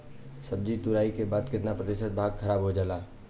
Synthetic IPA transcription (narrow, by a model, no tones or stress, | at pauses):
səb̚d͡ʒit̪ʊɾaːikebaːd̪kɪt̪napɾəd̪ɪʃət̪̚bʱaːɡkʰɐɾaːbɦod͡ʒaːlaː